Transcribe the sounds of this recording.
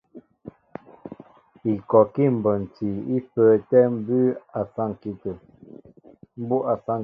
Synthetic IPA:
i˨kɔ˨ki˦˨m̩˨bə˨n˨ti˨i˦pəː˨tɛ˦m̩˦bʉ˦a˨sa˦ŋ˨ki˨tə˨ | m̩˦bu˦ʔa˨sa˦

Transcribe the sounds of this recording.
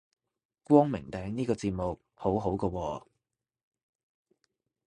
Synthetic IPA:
kʷwɔː˥ŋmɪ˨˩ŋt̪ɛː˨˥ŋniː˥kɔː˧t͡siː˨˧t̚mo˨k̚ | ho˨˥wɦo˨˥wkɔː˧wɔː˧

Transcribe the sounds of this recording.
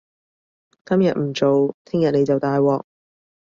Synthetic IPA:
kɐ˥mjɐ˨t̚m̩˨˩t͡ʃo˨wt̪ʰɪ˥ŋjɐ˨t̚ne˨˧jt͡sɐ˨wt̪aː˧jwɔː˨k̚

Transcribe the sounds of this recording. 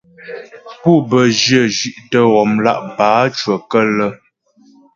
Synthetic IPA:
pu˦˨bə˨d͡ʒjə˦˨d͡ʒi˨ʔtə˦ɣɔ˨mla̰˦ʔbaː˨˦t͡ʃwə˨kə˦lə˦

